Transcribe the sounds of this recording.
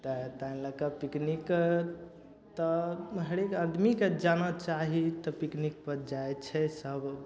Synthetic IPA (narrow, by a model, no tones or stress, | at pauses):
t̪ət̪aĩləkəpiknik | t̪ɔɦəɽekad̪ʱmiked͡ʒanat͡ʃaɦit̪ɔpiknik̚pəɾd͡ʒaet͡ʃʰɛsəb